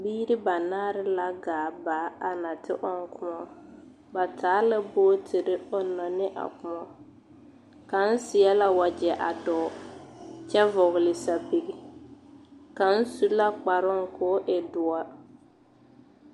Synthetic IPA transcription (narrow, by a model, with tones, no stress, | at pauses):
biː˦ɾɪ˦ba˨naː˦ɾɪ˦la˦ɡaː˨˦˨baː˨˦a˨na˨tɪ̰˦ʔɔ˦ŋ˦kʰʊ˦mɔ˦ | ba˨tʰaː˨˦la˦boː˦tʰɪ˨ɾɪ˦ɔ˦nːɔ˨nɪ˦ʔa̰˨kʊ˦mɔ˦ | ka˨n̩˦sɪ˨a˦la˨wa˨d͡ʒɛ˨ʔa̰˨dɔː˨˦ | t͡ʃɛ˦vɔ˨ɣɪ˨lɪ˨sa˨pi˨ɡi˨ | ka˨n̩˦su˦la˦k͡pa˨ɾɔ˦ŋ˨kʰɔː˨˦ʔɛ˨dʊ˨a˦